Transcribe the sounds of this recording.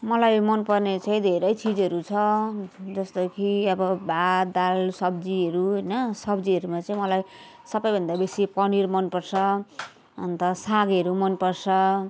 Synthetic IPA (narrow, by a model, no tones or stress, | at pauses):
mʌlajmʌnpʌrnet͡sʌ̃ĩd̪ʱeɾʌjt͡sid͡zʌɾut͡sʰʌd͡zʌst̪okʰiʌbʌbʱad̪alsʌb̚d͡ziʌɾuɦʌjnʌsʌbd͡ziʌɾumat͡saĩmʌlaj | sʌbʌjbʱʌnd̪abesipʌniɾmʌnpʌrt͡sʰʌ | ʌ̰nt̪ʌsaɡʌɾumʌnpʌrt͡sʰʌ